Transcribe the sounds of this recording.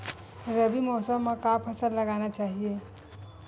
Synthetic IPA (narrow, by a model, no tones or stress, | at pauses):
ɾəbimɔsəməkapʰəsəlləɡañat͡ʃaɦije